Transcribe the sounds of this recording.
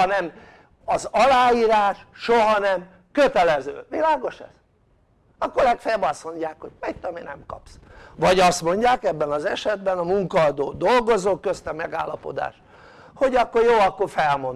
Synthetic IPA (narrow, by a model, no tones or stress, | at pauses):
nɛm | ɒzɒlaːjiːɾaːʃʃoɦɒnɛm | køt̪ɛlɛzø̰ːʋilaːɡo̞ʃɛ̰z̥ | ɒkːoɾlɛkfɛjɛbɒst̪mo̞ɲɟaːkho̞̰ɟ̥mɛjt̪ːominɛ̰mkɒ̰psʋɒɟɒst̪mo̞ɲɟaːkɛbːɛnɒzɛʃɛd̪bɛnɒmuŋkɒɒd̪oːd̪o̞lɡo̞zoːkøst̪ɛmɛɡa̰ːlːɒpo̞̰d̪a̰ːʃ | ho̞ɟɒkːo̞rjoːɒkːo̞rfɛlmo̞n